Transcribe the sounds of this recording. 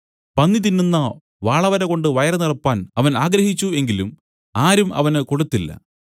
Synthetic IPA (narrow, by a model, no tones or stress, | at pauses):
pɐnːit̪̬inːunːɐ | ʋaːɭɐʋɐɾeko̞ɳɖɨʋɐjɐrɐnirɐpːaːnɐʋɐnaːɡɾɐhit͡ɕːue̞ŋɡilum | aːɾumɐ̰ʋɐnɨko̞ɽut̪ːilːɐ̰